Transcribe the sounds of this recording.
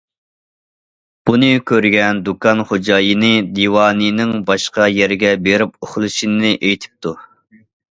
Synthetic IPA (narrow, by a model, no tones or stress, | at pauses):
b̥unɨkʲʰøɾɡʲɛnd̪ukʰɑnχod͡ʒɑːjɨnɨd̪iwɑːnɨnɪŋbɑʃqɑjɛɾɡʲɛbeɾɪp̚oχlˠɨʃinɨnɨʔejt̪ʰɪ̥p̚t̪ʰu